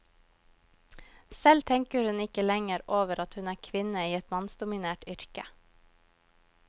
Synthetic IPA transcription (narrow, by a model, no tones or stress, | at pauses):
sɛlt̪ʰɛŋkəɾhʉnɪkəlɛŋəɾʔoːʋəɾʔɑt̪hʉnæːkʰʋɪnəiːɛt̪mɑnsd̪ʊmɪneːʈʏɾkə